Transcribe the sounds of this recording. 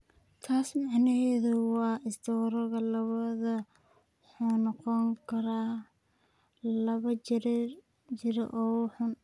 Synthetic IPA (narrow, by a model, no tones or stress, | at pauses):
t̪ʰaːsmɑʕnɐɦɛːðʊwɑːɪsd̪ɔwɾɐɣɐlɐβɐðɐ | wħuːnɔqɔŋkʰɐɾaː | lɐβɐ | t͡ʃɪɾɐ̰ʔɔːwħʊn